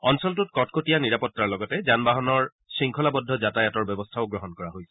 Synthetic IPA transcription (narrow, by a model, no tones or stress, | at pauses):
ɔnsɔltutkɔtkotijaniɹapɔtːaɹlɔɡɔtɛzanbaɦɔnɔɹ | siŋkʰɔlabɔdʱɔzatajatɔɹbɔbɔstʰaʊɡɹɔɦɔnkɔɹaɦojsɛ̥